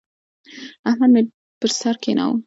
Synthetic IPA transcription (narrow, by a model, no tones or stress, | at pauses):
aɦame | pəɾsaɾkena̰w